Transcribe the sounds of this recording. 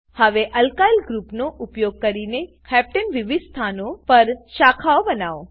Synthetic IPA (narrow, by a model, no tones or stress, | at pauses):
həʋeʔɐlkailɡɾupnoʔʊpjoɡ̚kəɾinekʰɛp̚ʈənʋɪʋid̪st̪ʰanopəɾʃakʰaobənaːo